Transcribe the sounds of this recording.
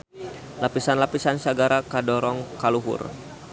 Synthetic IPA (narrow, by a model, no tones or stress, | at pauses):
lapisanlapisansaɡaɾakadɔɾɔŋkaluɦʊ̰r